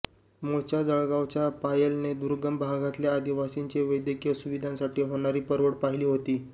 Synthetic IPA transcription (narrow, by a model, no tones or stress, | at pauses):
moɭt͡ɕjad͡zəɭɡaʋt͡ɕjapajelned̪uɾɡəmbʱaɡat̪ljaad̪iʋasiɲt͡ɕeʋəjd̪jəkijəsuʋid̪ʱãnsaʈiːɦoɽ̃aɾiːpəɾʋəɽpaɦiliːɦot̪iː